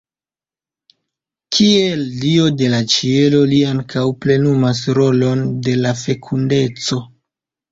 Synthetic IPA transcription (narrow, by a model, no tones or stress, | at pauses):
kʰieldio̞de̞lat͡ʃie̞lo̞liaŋkawple̞numas̬ɾo̞lo̞nde̞lafe̞kʰunde̞t͡so̞